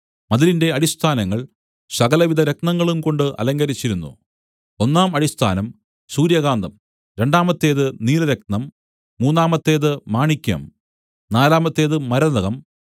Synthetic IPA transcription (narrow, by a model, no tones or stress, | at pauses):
mɐðilinde̞ɐɽist̪ʰaːnɐŋːɐɭ | sɐɣɐlɐʋid̪ɐɾeknɐŋːɐɭumko̞ɳɖɨʔɐ̰lɐŋɡɐɾit͡ɕːiɾunːṵ | o̞nːaːmɐɽist̪ʰaːnɐm | suːɾjɐɡaːnd̪ɐm | ɾe̞ɳɖaːmɐt̪ːe̞ːðɨniːlɐɾeknɐmː | uːnːaːmɐt̪ːe̞ːðɨmaːɳikʲːɐ̰m | naːlaːmɐt̪ːe̞ːðɨmɐɾɐðɐɣɐm